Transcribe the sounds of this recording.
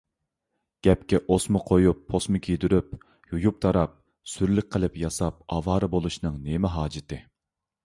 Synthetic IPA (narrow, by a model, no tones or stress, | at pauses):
ɡ̥ʲɛp̚kʲɛʔosmʊqʰojupʰːosmɨkʲʰijd̪yɾyp | jujup̚t̪ʰɑɾɑp̚ | syɾlɪk̚ʲqʰəlˠɨpjɑsɑp̚ɑvɑːɾɨbolˠuʃnɨŋnemɪɦɑːd͡ʒɪt̪ʰɨ